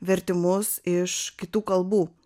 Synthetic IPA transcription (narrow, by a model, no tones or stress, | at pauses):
ʋʲɛɾʲt̪ʲɪmʊsɪʃkʲɪt̪uːkɐlˠbuː